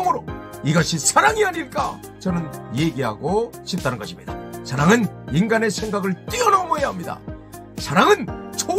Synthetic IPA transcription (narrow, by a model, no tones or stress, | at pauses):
ŋɯɾoiɡaɕʰisʰaɾaŋiaɲiɭk͈a | t͡ɕʌnɯnje̞ɡiɦa̰ɡoɕʰip̚t͈anɯnɡʌɕʰimɲḭd̥asʰaɾaŋɯninɡane̞sʰe̞ŋɡaɡɯɭt͈iʌnomʌjaɦamɲida̰ | sʰaɾaŋɯnt͡ɕʰo